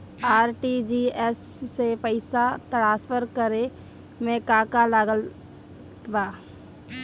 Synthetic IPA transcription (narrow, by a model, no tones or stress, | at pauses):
aːɾʈid͡ʒiɛsːepəɪsat̪əɽaːspəɾkəɾe | mẽkaːkalaːɡəl | t̪baː